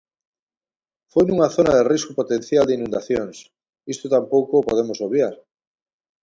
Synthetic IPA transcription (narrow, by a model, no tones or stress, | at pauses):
fojnũŋaθonaðeriskopot̪ẽnθjald̪einũnd̪aθjoŋs | ist̪ot̪ampowkopoð̞emosoβjaɾ